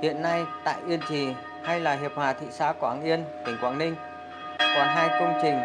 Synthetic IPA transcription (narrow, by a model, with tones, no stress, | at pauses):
hḭ˧˨ənːa˧jt̪a̰ː˧˨jʔi˧ənt͡ɕi˨˩ | ha˧jlaː˨˩ɦi˨˩p̚hwaː˨˩t̪ʰḭ˧˨sa̰ː˧˥ka˧˩aː˧˩ŋʔi˧ənt̪ï˨˩ŋ̟kwaː˧˩ŋnï˧ŋ̟ | kɔ˨˩nɦaː˧jkə˧wŋ͡mt͡ɕï˨˩ŋ̟